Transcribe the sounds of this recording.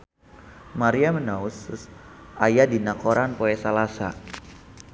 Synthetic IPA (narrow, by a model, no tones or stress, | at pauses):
maɾiamənausʊsʔajadinakoɾanpoɛsalasa̰